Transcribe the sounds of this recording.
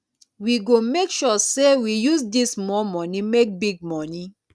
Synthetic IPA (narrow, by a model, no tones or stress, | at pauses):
wiɡomekʃɔsewijusdismɔmɔ̃nimek̚biɡ̚mɔni